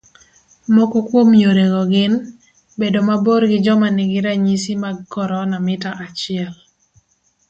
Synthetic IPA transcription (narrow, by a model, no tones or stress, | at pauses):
mokokwomjoɾeɡɔɡɪn | bedomaboɾɡɪd͡ʒɔmanɪɡɪɾaɲisimaɡɡɔɾɔnamɪtaʔat͡ʃɪɛl